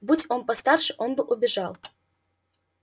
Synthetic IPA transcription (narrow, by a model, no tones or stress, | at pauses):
butʲonpɐst̪arʂɨ̥ʔonbɨʔubʲɪʐalˠ